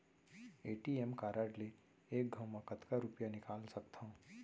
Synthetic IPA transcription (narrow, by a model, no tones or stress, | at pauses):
eːʈiemkaːɾaːʈle | eːk̚ɡʱɐwmãkɐt̪kaɾʊpjanɪkaːlsɐk̚t̪ʰã